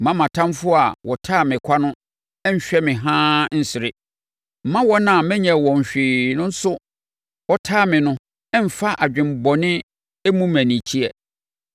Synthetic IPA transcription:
mã˦mã˨tʰã˦mfʊ˦a˨wʔɔ˨tʰaː˦˨mɪ̃˨kʷʰa˦nʊ̃˦ | ɛ˦ɲ̩˦ɕᶣɛ˦mɪ̃˨ɦãː˦n̩˦sɪ˨ɾɪ˦ | m̩˨˦mã˦wɔ˦nã˨mɪ̃˦ɲɛ̃˨wɔ̃˨ɲ̩˨ɕᶣiː˨nʊ̃˦n̩˦sʊ˦ | wɔ˦tʰaː˦˨mɪ̃˨nʊ̃˦ | ɛ˦m̩˨fa˦ʔa˨d͡ʑᶣɪ̃˨m˨bɔ˨nɪ̃˦ | e˦mũ˦mæ̃˨nĩ˨t͡ɕʰi˦ɛ˨

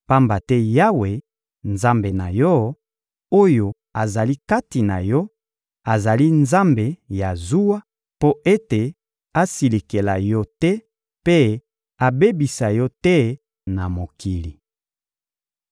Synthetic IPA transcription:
pa˦mba˨tɛ˦ja˦we˨ | nza˦mbe˨na˨jɔ˦ | o˦jo˨ | a˨za˨li˦ka˦ti˨na˨jɔ˦ | a˨za˨li˦nza˦mbe˨ja˨zu˦wa˦ | po˦e˦te˨ | a˦si˨li˨ke˨la˨jɔ˦tɛ˦ | pe˦ | a˨be˦bi˨sa˨jɔ˦tɛ˦ | na˨mo˨ki˨li˨

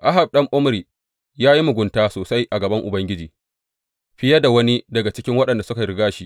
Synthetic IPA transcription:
ʔa˦ɦa˨b̚ɗɐ˦ŋʔʊ˦m˦ɾiː˨ | jaː˦ji˦mʊ˨ɡʷʊ˨˦ntaː˦soː˨sa˦jʔa˨ɡɐ˨bɐ˦ŋʔʊ˨bɐ˦ŋɡʲɪ˦d͡ʒiː˨ | ɸɪ˦jɐ˦da˨wɐ˦ni˦dɐ˨ɡa˨t͡ʃɪ˦kʲɪ˦ŋwɐ˦ɗɐ˨nda˨sʊ˦ka˨ɾɪ˦ɡaː˦ʃi˦ʔ

